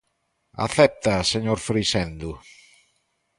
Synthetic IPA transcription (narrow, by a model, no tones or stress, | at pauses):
a̰θɛp̚t̪aseɲoɾfɾisɛnd̪ʊ